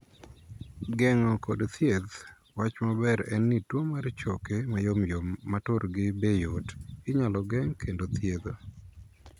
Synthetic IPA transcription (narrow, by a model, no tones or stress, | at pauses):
ɡɛŋɔkodt̪jed̪ | wat͡ʃmabɛɾɛ̰nːitwomart͡ʃɔkemajomjomːatoɾɡɪbejotɪɲalɔɡɛŋkʰendot̪ʰjed̪o